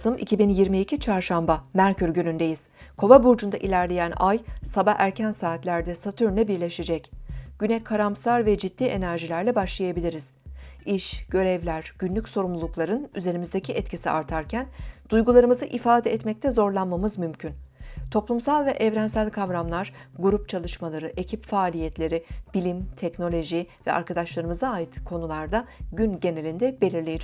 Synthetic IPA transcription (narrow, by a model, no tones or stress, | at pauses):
sɯmʔḭcʰibinjiɾmiːcʰit͡ʃʰaɾʃambamæɾcʰyɾɟønynd̪e̞jiz̥kʰo̞vabuɾd͡ʒund̪aʔilʲæɾlʲe̞jænajsabaæɾcʰænsaːt̪lʲæɾd̪ɛsat̪ʰyɾnɛbiɾlʲeʃe̞d͡ʒɛcɟ̥ynɛkʰaɾamsaɾvɛd͡ʒid̪ːiːʔe̞næɾʒilʲæɾlʲɛbaʃlˠajabilʲiɾiz̥iʃɟ̥ø̞ɾɛvlʲæɾɟ̥ynlʲycʲso̞ɾumlˠulˠuklˠaɾɯnyze̞ɾimizd̪ecʰiʔɛt̪cʰisḭʔaɾt̪ʰaɾcʰænd̪̥ujɡulˠaɾɯmɯzɯʔifaːd̪ɛɛt̪mɛc̚t̪ʰɛzo̞ɾlˠanmamɯzmymcʰynt̪ʰo̞plˠumsalˠvɛʔɛvɾænsælʲkʰavɾamlˠaɾ̥ɡuɾup̚t͡ʃʰalˠɯʃmalˠaɾɯʔe̞cʰipfaːlʲijɛt̪lʲe̞ɾib̥ilʲimt̪ʰɛcno̞lʲo̞ʒivɛ̰ʔa̰ɾkʰad̪aʃlˠaɾɯmɯzaːjit̪kʰo̞nulˠaɾd̪aɟynɟe̞ne̞lʲind̪ɛbe̞lʲiɾlʲejed͡ʒ